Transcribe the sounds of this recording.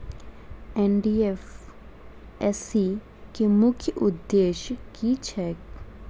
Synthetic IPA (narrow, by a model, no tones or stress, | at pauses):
ɛnɖiːef | ɛsi | kemʊkʰjəʔʊd̪ːeːʃkit͡ʃʰɛːk